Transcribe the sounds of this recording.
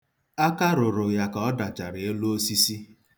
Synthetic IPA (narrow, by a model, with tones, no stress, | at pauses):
a˦ka˦ɾʊ˨ɾʊ˨ja˨ka˨ɔ˦da˨d͡ʒa˨ɾɪ˨e˦lu˦o˦si˦si˦